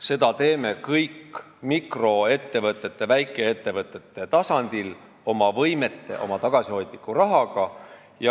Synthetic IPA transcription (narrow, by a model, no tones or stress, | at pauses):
se̞d̪̥ɑt̪e̞ːme̞kɤjkː | mikro̞e̞t̪ːe̞vɤt̪ːˑe̞t̪ːˑe̞væjkːˑe̞et̪ːe̞vɤt̪ːˑe̞t̪ːˑe̞t̪ɑsɑnd̪̥il | o̞mɑvɤjme̞t̪ːe̞̰ʔo̞̰mɑt̪ɑɡ̥ɑsiho̞jd̪̥nikːˑurɑɦɑɡ̥ɑ | jɑ